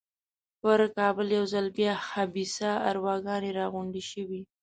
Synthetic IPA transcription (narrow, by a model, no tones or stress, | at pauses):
pəɾkɑbəljawzalbjɑhabisaa̰ɾwɑɡɑneɾɑɣʊɳɖiʃəwi